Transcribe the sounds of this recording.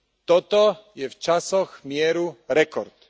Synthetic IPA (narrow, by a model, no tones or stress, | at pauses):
t̪ɔt̪ɔjɛft͡ʃasɔxmjɛɾuɾɛkɔɾt̪